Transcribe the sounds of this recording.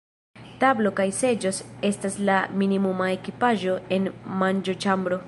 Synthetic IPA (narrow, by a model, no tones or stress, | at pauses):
tablo̞kajse̞d͡ʒo̞se̞staslaminimumae̞kipaʒo̞e̞nmand͡ʒo̞t͡ʃambɾo̞